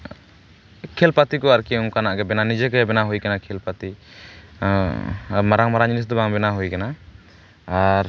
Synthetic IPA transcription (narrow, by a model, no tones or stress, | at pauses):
kʰelpat̪ikɔaɾkiuŋkanaʔɡɛbɛnanid͡ʒɛɡɛbɛnaɦujkanakʰelpat̪i | maɾaŋmaɾad͡ʒinis̬d̪ɔbaŋbɛnaɦujkanaː | ɾ